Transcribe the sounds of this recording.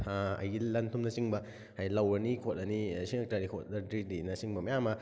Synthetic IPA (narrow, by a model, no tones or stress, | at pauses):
aɐ̰jɡilɐntʰumnɐsiŋbɐ | hajlɐwɾɐnikʰot̚ɐnisiŋek̚taɾikʰot̚ːɐdɾidinɐsiŋbɐmɐjamɐ